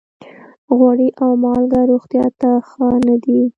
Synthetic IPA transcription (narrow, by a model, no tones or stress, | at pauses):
ɣwaɽiʔawmɑlɡaɾoɣt̪jɑt̪axənad̪i